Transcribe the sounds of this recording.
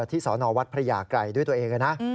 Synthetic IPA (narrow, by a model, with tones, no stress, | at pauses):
t̪ʰːiː˥˩sɔː˩˦nɔː˧wa˦˥t̪̚pʰɾa˧jaː˧˩kɾa˧jdu˥˩jt̪ːɐʔeː˧ŋka˧˩na˦˥ʔ